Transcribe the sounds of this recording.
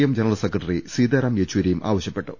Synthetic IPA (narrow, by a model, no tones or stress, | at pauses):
jɐmd͡ʑenɐɾɐlsekːrɐʈːɐrisiːd̪ɐɾɐmjet͡ɕːuwiɾɐjumʔa̰ːʋɐɕjɐpːe̞ʈːu